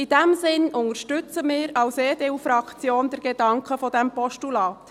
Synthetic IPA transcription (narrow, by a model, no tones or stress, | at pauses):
ɪd̥ɛmzɪnʊŋəɾʃtʏt͡səmɪːɾɑwseːdeufɾɑkt͡sjoːnd̪ɛɾɡ̥ed̥ɑŋkχəfɔdɛmpɔʃtulɑːt̪